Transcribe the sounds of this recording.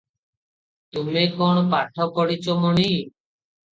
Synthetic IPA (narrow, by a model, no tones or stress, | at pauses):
t̪umekoɳ̃ɔpaʈʰɔkɔɽit͡ʃomɔɽi